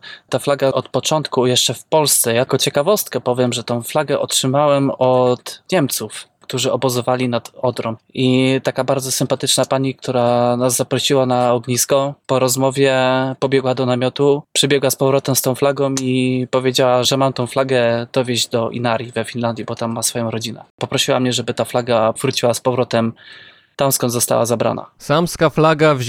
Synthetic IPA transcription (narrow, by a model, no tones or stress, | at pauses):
t̪aflaɡaɔt̪pɔt͡ʂɔnt̪kujɛʂt͡ʂɛfpɔlst̪sɛjakɔt͡ɕɛkavɔst̪kɛpɔvʲjɛmʐɛt̪ɔ̃w̃flaɡɛʔɔtʂɘmawɛmɔt̪ɲɛmt̪sufkt̪uʐɘɔbɔzɔvalʲinad̪ɔd̪ɾɔmit̪akabaɾd̪zɔsɘmpat̪ɘt͡ʂnapaɲikt̪ʰuɾanazzapɾɔɕiwanaɔɡɲiskɔpɔɾɔzmɔvʲjɛpɔbʲjɛɡwad̪ɔnamʲjɔt̪upʂɛbʲjɛɡwaspɔvɾɔt̪ɛmst̪ɔ̃w̃flaɡɔ̃w̃ipɔvʲjed͡ʑawaʐɛmamt̪ɔ̃w̃flaɡɛd̪̥ɔvʲjeʑd͡ʑd̪ɔʔḭnaɾʲjivɛfʲinland̪ʲjibɔt̪amːasfɔjɔ̃w̃ɾɔd͡ʑinɛ̰pɔpɾɔɕiwa̰mɲɛʐɛbɘt̪aflaɡavɾut͡ɕiwaspɔvɾɔt̪ɛm | t̪amskɔnd̪zɔst̪a̰wa̰zabɾa̰na̰samskaflaɡav